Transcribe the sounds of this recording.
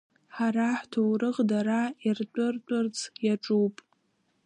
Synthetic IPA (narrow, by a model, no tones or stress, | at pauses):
ħaɾaħtʰowɾɨʁdaɾairt͡pʷʼʊrtʷʼʊrt͡sʰʼjaʈ͡ʂʼuwpʼ